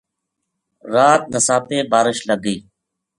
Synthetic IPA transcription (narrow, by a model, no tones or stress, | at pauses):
ɾaːt̪̚nəsaːpeːbaːɾɪʃləɡiː